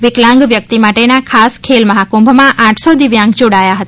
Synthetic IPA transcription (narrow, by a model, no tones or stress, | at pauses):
ʋɪklãŋɡʋjək̚t̪imaʈenakʰaskʰelməɦakũmbʱmãʔãʈʰsod̪ɪʋjãŋɡd͡ʒoɽajaɦət̪a